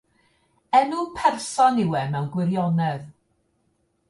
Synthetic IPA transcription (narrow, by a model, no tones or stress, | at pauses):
ɛnupʰɛrsɔnɪwɛmɛwɡwɪɾjɔnɛð